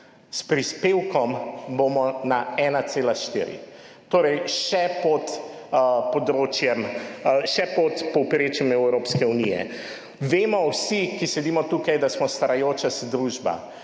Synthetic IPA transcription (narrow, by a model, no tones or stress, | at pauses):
spɾispeːwkɔmbomɔnaɛːnat̪seːlaʃt̪ḭːɾḭ | t̪oːɾɛjʃɛpɔt̪ | pɔd̪ɾoːt͡ʃjɛmʃɛpɔt̪pɔwpɾeːt͡ʃjɛmɛwwɾoːpskɛunijɛ̰ | ʋeːmɔwsikisɛd̪iːmɔt̪uːkajd̪asmɔst̪aɾajoːt͡ʃasd̪ɾuʒba̰